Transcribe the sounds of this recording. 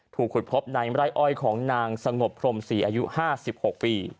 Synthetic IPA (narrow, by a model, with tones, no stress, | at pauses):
t̪ʰuː˨˩k̚ʰːu˨˩t̪̚pʰo˦˥p̚naː˨˩˦ŋɾa˦˥˩jʔɔ˥˩jkʰɔː˩˦ŋnaː˧ŋsa˧ŋo˨˩pʰːɾo˧msiː˨˩ʔaː˧ju˦˥haː˥˩si˨˩p̚ho˨˩k̚piː˧